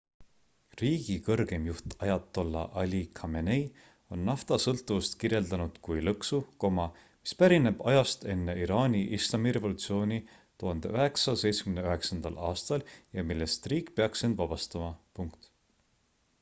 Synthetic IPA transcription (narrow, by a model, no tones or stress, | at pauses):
riːɡ̥ikɤrɡ̥e̞mjuht̪ɑjɑt̪ːˑo̞lːɑ̰ʔɑlʲikʰɑmenej | o̞nːɑft̪ɑsɤlt̪ːˑuvust̪kirje̞ld̪̥ɑnud̪̥kujlɤksuko̞mɑ | mi̥spæɾine̞b̥ɑjɑst̪e̞nːe̞iɾɑːnʲiʔislɑmiɾe̞vo̞lut̪sio̞ːnʲi | t̪uhɑnd̪̥eøɦe̞ksɑse̞jt̪sekymneøɦe̞ksɑnd̪̥ɑ̰lɑːst̪ɑljɑmilːe̞st̪riːkˑpe̞ɑksend̪vɑb̥ɑst̪ɑmɑpuŋkt̪